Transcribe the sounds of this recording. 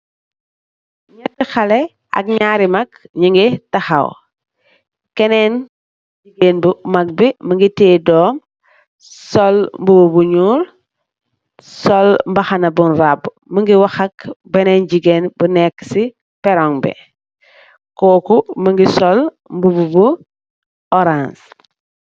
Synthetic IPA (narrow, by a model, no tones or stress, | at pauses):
ɲɐtːixɐlɛ | ɐ̰k̚ɲaːɾimɐkɲiŋɡitɐxɐ̰w | kɛnɛn | d͡ʒiɡeːnbumɐk̚biməŋɡitɛːdɔːm | sɔlmbububuɲuːl | sɔlmbɐxanɐbunɾab | məŋɡiwɐxɐkbɛnenɟiɡeːnbunɛksi | pɛɾɔŋbɛ̰ | koːkuməŋɡisɔl | mbububu | ɔɾãns